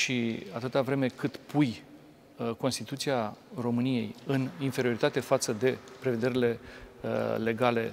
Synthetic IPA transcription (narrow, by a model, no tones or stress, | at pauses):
ʃiat̪ɨt̪avɾe̞me̞kɨt̪pʰuj | ko̞nst̪it̪ut̪siaro̞mɨnije̞̰jɨninfe̞ɾio̞ɾit̪at̪e̞fat̪səd̪e̞pɾe̞ve̞d̪e̞ɾile̞ | le̞ɡale̞